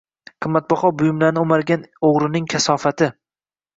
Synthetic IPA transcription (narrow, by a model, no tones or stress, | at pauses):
qʰɨmːat̪̚bɒχɒbʊjɪmlaɾnɪʊmaɾɡʲanoʁɾɪnɪŋkʲʰasɒfat̪ʰɪ